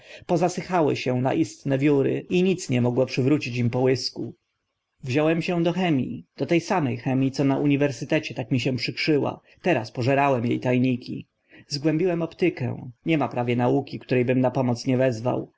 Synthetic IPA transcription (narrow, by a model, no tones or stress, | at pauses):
pɔzasɘxawɘ̰ɕɛ̃na̰ʔist̪nɛvʲjuɾɘ̰iɲit̪sɲɛmɔɡwɔpʂɘvɾut͡ɕit͡ɕimpɔwɘsku | vʑɔwɛmɕɛw̃d̪ɔxɛmʲḭd̪̥ɔt̪ɛjsamɛjxɛmʲit̪sɔnaʔuɲivɛɾsɘt̪ɛt͡ɕɛt̪akmʲiɕɛ̃pʂɘkʂɘwa̰ | t̪ɛɾaspɔʐɛɾawɛmjejt̪ajɲikʲʰḭ | zɡwɛ̃mbʲiwɛmɔpt̪ɘkɛ̰̃w̃ɲɛmapɾavʲjɛnaukʲikt̪uɾɛjbɘmnapɔmɔt̪sɲɛvɛzva̰w